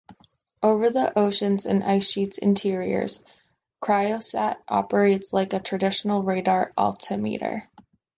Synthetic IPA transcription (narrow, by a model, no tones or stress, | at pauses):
ʔoʊvə˞ðiʔoʊʃɨ̃nzɨ̰̃nʔa̰ɪsʃitsɨ̰̃ntʰɪɹiə̰˞z̥ | kʰɹ̥aɪoʊsæɾʔɑ̰pə˞eɪtslaɪkɨtʰɹ̥ɨdɪʃn̩l̩ˠɹeɪɾɑɹʔɔ̰lˠtʰɨmḭɾə̰˞